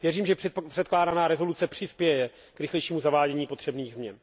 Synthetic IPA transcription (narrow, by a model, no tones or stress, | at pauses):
vjɛriːmʒɛr̥ɛt̪̚klaːdanaːɾɛzo̞lut͡sɛpr̥ɪspjɛjɛ | kɾɪxlɛjʃiːmuzavaːɟɛɲiːpo̞t̪r̥ɛbniːɣzmɲɛ̰n